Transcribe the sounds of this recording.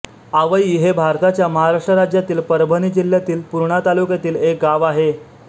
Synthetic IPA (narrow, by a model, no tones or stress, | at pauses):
aʋəiɦebʱaɾt̪at͡ɕjaməɦaɾaʂʈəɾad͡ʑjat̪iːlpəɾbʱəniːd͡ʑil̤ːjat̪iːlpuɾɳat̪alukjat̪iːlek̚ɡaʋaɦe